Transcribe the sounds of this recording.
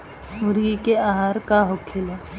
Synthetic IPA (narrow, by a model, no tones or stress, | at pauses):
mʊɾɡikeaːɦaɾkaɦokʰɪle